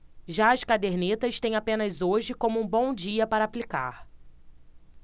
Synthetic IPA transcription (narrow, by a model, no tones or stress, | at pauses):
ʒaɐskad̪eɾnet̪ɐst̪ẽj̃apẽnɐzoʒɪkõmʊũbõw̃d͡ʒiɐpaɾaːplika̰ɾ